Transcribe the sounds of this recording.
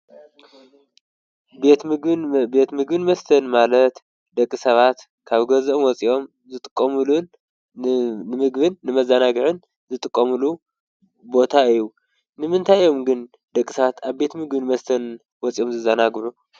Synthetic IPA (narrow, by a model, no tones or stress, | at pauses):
bet̪be̞t̪mɨɡbɨnmɐst̪ʰɐnmalɐt̪ | d̪ɐkʼːisɐβat̪ | kʰaβɡɐzomwɔt͡sʼiʔo̞m | zɨt̪ʼɨkʼːɐmɨlun | ɨmɨɡβɨnːɨmɐzanaɡɨʕɨn | zɨt̪ʼɨkʼːɐmɨlu | bo̞t̪ʰaɨjːu | nɨmɨnt̪ʰajo̞mɡɨn | d̪̥ɐkʼːisɐβat̪ʰaβbe̞t̪mɨɡbɨnmɐst̪ʰɐn | wɔt͡sʼiʔo̞mzɨzɐnaɡɾu